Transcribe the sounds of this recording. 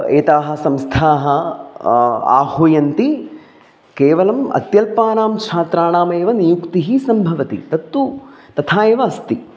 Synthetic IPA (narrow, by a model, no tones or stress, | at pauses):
ḛːt̪aːɦɐ̆sɐmst̪ʰaːɦɐ̆ | a̰ːhoːjɐnt̪i | keːʋɐlɐmɐ̰t̪jɐlpaːnaːmt͡ʃʰaːt̪ɾaːɳaːmeːʋɐnijukt̪iɦisɐmbʱɐʋɐt̪ḭt̪ɐt̪ːut̪ɐt̪ʰaːeːʋɐɐst̪i